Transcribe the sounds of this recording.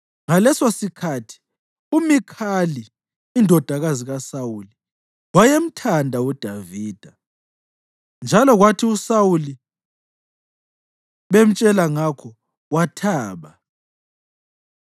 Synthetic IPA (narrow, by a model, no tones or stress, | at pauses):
ŋalɛsosikʰatʰi̥ | umikʰaliː | ndʱɔd̥ʱaɣaziɣasawuli | wajem̩tʰandʱaud̥ʱaviːd̥ʱa | nd͡ʒʱalɔɣwatʰiusawuli | βem̩t͡ʃʼɛlaŋakʰɔ | watʰaːβa